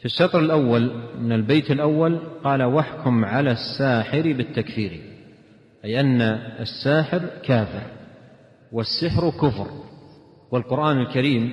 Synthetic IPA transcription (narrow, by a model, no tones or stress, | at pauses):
fɪʃːɑt̪ˤɾɪlʔawːalmɪnɪlbeːt̪ɪlʔawːalqɑːlawaħkʊmʕalasːaːħɪɾibɪt̪ːakfiːɾḭ | ʔajʔanːaasːaːħɪɾkʰaːfɪɾ | wasːɪħɾkʊfɾ | wɪlqʊɾʔaːnɪlkaɾiːm